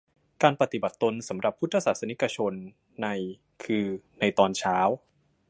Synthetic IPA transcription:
kaː˧npa˧t̪i˨˩ba˨˩t̪ːo˧nsa˩˦mɾa˨˩pʰːu˦˥t̪ʰːa˧saː˨˩t̪sa˧ni˦˥ka˧t͡ɕʰo˧nː | a˧j | kʰɯː˧na˧jt̪ɔː˧nt͡ɕʰaː˦˥w

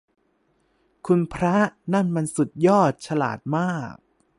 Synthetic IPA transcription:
kʰu˧npʰɾa˦˥ʔna˥˩nma˧nsu˨˩t̪̚jɔː˥˩t̪̚t͡ɕʰa˧la̰ː˨˩t̪̚maː˥˩k̚

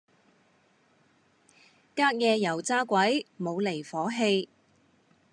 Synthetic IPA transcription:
kaː˥k̚jɛː˧jɐ˨˩wt͡saː˥kʷɐ˨˥jmo˨˧wle˨˩jfɔː˨˥ɦe˧j

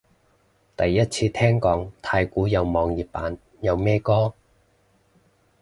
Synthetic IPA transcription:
t̪ɐ˨jːɐ˥t̚t͡sʰiː˧t̪ʰɛː˥ŋkɔː˨˥ŋt̪ʰaː˧jkuː˨˥jɐ˨˧wmɔː˨˧ŋjiː˨˩p̚pa̰ː˨˥n | jɐ˨˧wmɛː˥kɔː˥

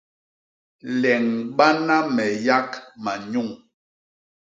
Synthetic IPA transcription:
lɛ˨ŋɓa˦na˦mɛ˨ja˦kma˨ɲu˦˨ŋ

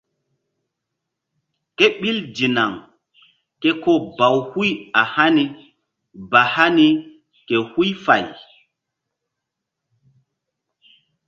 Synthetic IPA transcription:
ke˦ɓi˦ld͡ʒi˨na˨ŋ | ke˦ko˦ba˨whu˦ja˨ha˦ni˦ | ba˨ha˦ni˦ | ke˨hu˦jfa̰˨j

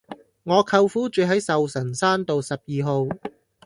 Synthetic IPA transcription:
ŋɔː˨˧kʰɐ˧wfuː˥t͡ʃyː˨˧ɦɐ˨˥jsɐ˨wsɐ˨˩nsaː˥nt̪o˨wsɐ˨p̚jiː˨ɦo˨˧w

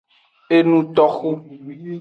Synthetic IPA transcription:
e˦nũ˦t̪ɔ˦xu˦

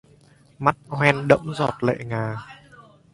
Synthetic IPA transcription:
ma˦˥t̚hwɛ˧nɗə̰˧˥mzɔ˨˩t̚lḛ˧˨ŋaː˨˩

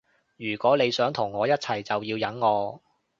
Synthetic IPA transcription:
jyː˨˩kʷɔː˨˥le˨˧jsœː˨˥ŋt̪ʰʊ˨˩ŋːɔː˨˧jɐ˥t̚t͡sʰɐ˨˩jt͡sɐ˨wjiː˧wjɐ˨˥nŋɔː˨˧

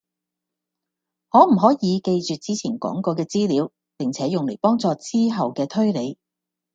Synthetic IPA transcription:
hɔː˨˧m̩˨˩ɦɔː˨˥jiː˨˧ke˧jt͡ʃyː˨t̚t͡siː˥t͡sʰiː˨˩nkɔ̰ː˨˥ŋkɔː˧kɛː˧t͡siː˥liː˨˧w | pɪ˨˩ŋt͡sʰɛː˨˥jʊ˨ŋle˨˩jpɔː˥ŋt͡sɔː˨˧t͡siː˥ɦɐ˨wkɛː˧t̪ʰɵ˥ɥle˨˧j

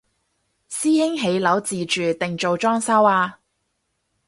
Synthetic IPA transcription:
siː˥hɪ˥ŋɦe˨˥jlɐ˨˥wt͡siː˨t͡ʃyː˨t̪ɪ˨ŋt͡ʃo˨wt͡ʃɔː˥ŋsɐ˥waː˧

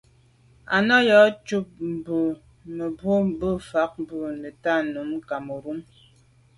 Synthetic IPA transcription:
a˨nɔ˦jɔ˨˦t͡ʃu˦p̚m̩˨bu˨ | mə˨bwo˦m̩˦bə˦fa˨˦k̚bu˦˨nə˨ta˦nu˨˦m˦ka˨mo˨ɾu˦m

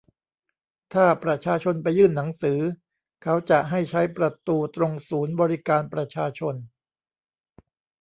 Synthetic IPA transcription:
t̪ʰaː˥˩pɾa˧t͡ɕʰaː˧t͡ɕʰo˧npa˧jːɯː˥˩nːa˩˦ŋsɯː˩˦ | kʰa˦˥wt͡ɕa˨˩ʔɦa˥˩jt͡ɕʰa˦˥jpɾa˧t̪uː˧t̪ɾo˧ŋsuː˩˦nbɔː˧ɾi˦˥kaː˧npɾa˧t͡ɕʰaː˧t͡ɕʰo˧n

